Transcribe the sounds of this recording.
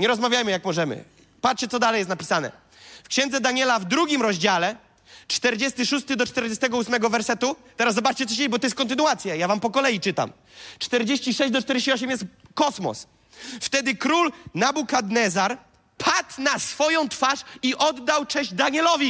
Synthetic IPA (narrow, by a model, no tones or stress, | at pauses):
ɲɛɾɔzmavʲjajmɘjakmɔʐɛmɘ̰ | pat͡ʂt͡ɕɛt̪sɔd̪alɛjɛst̪napʲisanɛ̰ | fkɕɛ̃nd̪zɛd̪aɲɛlavd̪ɾuɡʲimɾɔʑd͡ʑalɛ | t͡ʂt̪ɛɾd͡ʑɛst̪ɘʂust̪ɘd̪ɔt͡ʂt̪ɛɾd͡ʑɛst̪ɛɡɔusmɛɡɔvɛɾsɛt̪ut̪ɛɾaszɔbat͡ʂt͡ɕɛt̪ɔɕeibɔt̪ɔjɛskɔnt̪̬ɘnuat̪sʲjajavampɔkɔlɛjit͡ʂɘt̪a̰m | t͡ʂt̪ɛɾd͡ʑeɕt͡ɕiʂɛɕd͡ʑd̪ɔt͡ʂt̪ɛɾd͡ʑeɕt͡ɕiɔɕ̬ɛmjɛst̪kɔsmɔ̰s | ft̪ɛd̪ɘkɾulnabukad̪nɛzaɾ | pʰat̪nasfɔjɔ̃w̃t̪faʂiʔɔd̪ːawt͡ʂɛʑd͡ʑd̪aɲɛlɔvʲi